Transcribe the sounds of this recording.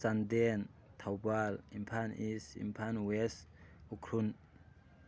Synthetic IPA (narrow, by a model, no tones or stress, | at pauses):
sandent̪ʰawbalimpʰanisḭmpʰanwɛsukʰɾun